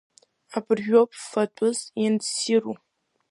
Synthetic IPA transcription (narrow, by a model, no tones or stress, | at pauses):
abʰɨrʒᶣʷop̚ʰʼfɐtʷʼʊzjɛnsiru